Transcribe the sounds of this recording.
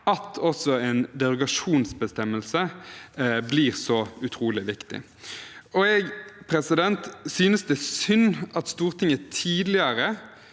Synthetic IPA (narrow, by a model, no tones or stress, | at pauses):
ɑt̪ʰɔsɔɛnd̪ɛʁʊɡɑʂuːnsbəst̪ɛmːəlsə | bliːʁsɔʉt̪ʰʁuːlɪʋɪkt̪ɪ̰ | ɔɛɡpʰʁɛsɪd̪ɛnt̪syːnəsd̪ɛsʏnːɑt̪st̪uːʁt̪ʰɪŋət̪ʰiːd̪lɪəɾə